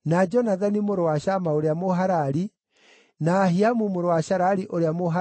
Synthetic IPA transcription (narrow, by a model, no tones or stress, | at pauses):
nad͡ʒɔnaðanimoɾowaʃamaoɾeamoɦaɾaɾi | naːɦiamumoɾowaʃaɾaɾiʔoɾeamoɦa